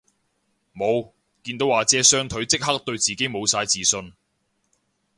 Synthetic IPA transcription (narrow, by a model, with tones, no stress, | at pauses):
mo˨˧w | kiː˧nt̪o˨˥waː˨˩t͡sɛː˨˥sœː˥ŋt̪ʰɵ˨˥ɥt͡sɪ˥k̚hɐ˥k̚t̪ɵ˧ɥt͡siː˨˩ke˨˥jmo˨˧wsaː˧jt͡siː˨sɵ˧n